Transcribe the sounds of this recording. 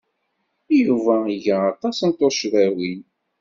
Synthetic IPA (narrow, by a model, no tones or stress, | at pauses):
juvæiʝaːt̪ˤɑsənt̪oʃðæwin